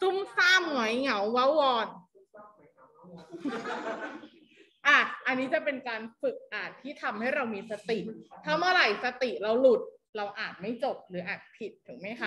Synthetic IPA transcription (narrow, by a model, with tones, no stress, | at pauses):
su˥˩msaː˥˩mŋu˩˦jŋa˩˦wːa˦˥wwɔː˧n | ʔaː˧˩ʔa˧nːiː˦˥t͡ɕa˨˩pe˧nkaː˧nfɯ˨˩k̚ʔaː˨˩t̪ʰːiː˥˩t̪ʰa˧mha˥˩jɾa˧wmiː˧sa˧t̪i˨˩ʔt̪ʰaː˥˩mɯ˥˩ɾa˨˩jsa˧t̪i˨˩ɾa˧wlu˨˩t̪̚ | ɾa˧wʔaː˨˩t̪̚ma˥˩jt͡ɕo˨˩p̚ɾɯː˩˦ʔaː˨˩t̪̚pʰi˨˩t̪̚ʰːuː˩˦ŋma˦˥jkʰa˦˥